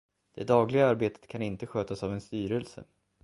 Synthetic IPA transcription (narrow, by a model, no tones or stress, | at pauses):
d̪̥ɛd̪ɑːɡlɪɡaaɾbeːt̪ə̥t̪kʰanɪnt̪əɧøːt̪asavɛnst̪yːɾɛlsə̰